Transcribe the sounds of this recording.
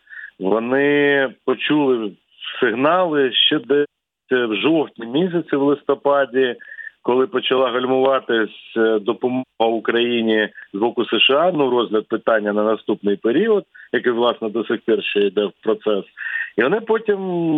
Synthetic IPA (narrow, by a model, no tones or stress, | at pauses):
ʋɔnɪpɔt͡ʃulˠɪ | sɪɦnɑlˠɪʃt͡ʃɛd̪ɛ | wʒɔwt̪ʲnʲimʲis̬ʲɐt͡sʲɪwlˠɪst̪ɔpɑdʲikɔlˠɪpɔt͡ʃɐlˠɑɦɔlʲmʊʋɑt̪ɪsʲd̪ɔpɔmɔɦɐʊkɾɐjinʲizbɔkʊseʃeɑnuɾɔzʲɦlʲɐd̪̚pɪt̪ɑnʲːɐnɐnɐst̪upnɪjpeɾʲiɔd̪̚jɐkɪjʋlˠɑsnɔd̪ɔsɪxʲpɛrʃɛid̪ɛwpɾɔt̪sɛsiʋɔnɪpɔtʲim